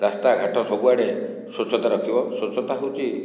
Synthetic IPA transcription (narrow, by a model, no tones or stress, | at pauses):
ɾast̪aɡʱaʈʰɔsɔbuaɽe | sot͡ʃʰɔt̪aɾɔkʰibɔsot͡ʃʰɔt̪aɦowt͡ʃʰi